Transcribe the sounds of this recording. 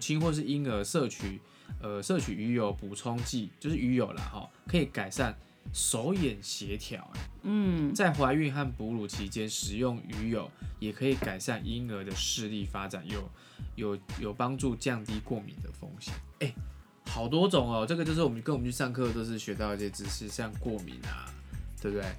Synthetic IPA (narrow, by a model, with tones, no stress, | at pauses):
t͡ɕʰi˦nxwɔ˥˧ʂ̬ɻ̩˥˩i˦nə˧˥sɤ˥˧t͡ɕʰy˨˩˦ | ə˧sɤ˥˨˩t͡ɕʰy˨˩y˧˥jo˧˩˦ʊpu˨˩t͡sʰo˦˥ŋt͡ɕi˥˩˨t͡ɕjo˥˧ʊʂɻ̩˥˩y˧˥jo˨˩ʊlɐ̰˩xɔ̰˨˩kʰɤ˧˥i˨˩ka˨˩ɪsa˥˩n | so˧˥ʊjɛ˨˩nɕjɛ˧˥t̪ʰjɑ̰˨˩˦ʊɛ̰˦˥˩t͡sa˥˩ɪxwa˧˥ɪy˥˧nxa˥˩npu˧˥lu˨˩t͡ɕʰi˧˥t͡ɕjɛ˥nʂɻ̩˨˩jʊ˥˩ŋy˧˥jo˨˩ʊjɛ˨˩kʰɤ˧˥i˨˩ka˨˩ɪsa˥˩nʔi˦nə˧˥d̪ə˧ʂɻ̩˥˧li˥˩fa˦ʈ͡ʂa˨˩njo˨˩ʊ | jo˨˩˦ʊjo˨˩ʊpɑ˦ŋʈ͡ʂu˥˧t͡ɕjɑ˥˧ŋt̪i˥kwɔ˥˩mḭ˨˦nd̪ə˨fo̰˦˥ŋɕjɛ̰˨˦ne˥˩ɪ | xɑ˨˩ʊt̪̬wɔ˥t͡sʊ˨˩ŋɔ˨ʈ͡ʂɤ˥˩ɡə˧t͡ɕo˥˧ʊʂ̬̩˥˩˨ə˦kə˥nwmə̃˦nt͡ɕʰy˥˧˩sɑ˥˧ŋkʰɤ˥˧t̪̬o˥ʊʂ̬ɻ̩˥˩ɕɥɛ˧˥t̪̬ɑ˥˩ʊ˥˧ɕɛ˥˧t͡sɻ̩˧˩ʂɻ̩˥˧ɕjɑ˥˧ŋkwɔ˥˩mḭ˨˥˦nɐ̰˨t̪we˥˧˩p̚t̪we˥˩ɪ